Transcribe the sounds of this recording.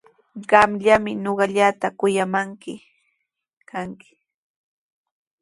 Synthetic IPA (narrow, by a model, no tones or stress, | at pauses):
ɢɑmʎamɪnoɢɑʎat̪akʊjamaŋkɪ | kʰaŋkɪ̥